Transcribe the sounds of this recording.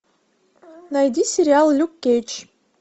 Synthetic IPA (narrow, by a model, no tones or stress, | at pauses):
najd̪ʲisʲeɾʲɪalˠlʲukʲːejt͡ʃ